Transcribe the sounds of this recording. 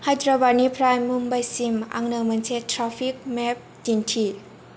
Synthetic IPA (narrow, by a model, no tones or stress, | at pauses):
hajt̪ɾabaniːpʰɾaːjmumbajsimʔa̰ŋnɯŋmɯnsʰet̪ʰɾafik̚mɛp̚dintʰi